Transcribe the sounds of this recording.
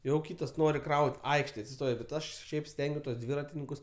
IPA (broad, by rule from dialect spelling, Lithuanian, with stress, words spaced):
jɛʊ ˈkʲiːtɐs ˈnoːrʲɪ ˈkrɐʊtʲ ˈɐɪkʃʲtʲeːj ɐtʲsʲɪˈstoːjoː bʲɛt ˈɐʃ ˈʃʲɛɪp ˈsʲtʲɛŋʲɡʲuɔs tuɔs ˈdʲʋʲiːrɐtʲɪnʲɪŋkʊs